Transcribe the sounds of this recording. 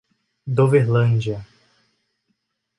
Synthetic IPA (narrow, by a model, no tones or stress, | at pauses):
d̪oveɾlɐ̃nd͡ʒiɐ